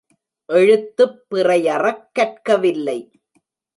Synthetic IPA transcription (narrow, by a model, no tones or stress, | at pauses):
ʔɛɻɯt̪ːɯpːɪrɐjɐrɐkːɐʈ̚kɐʋɪlːɐɪ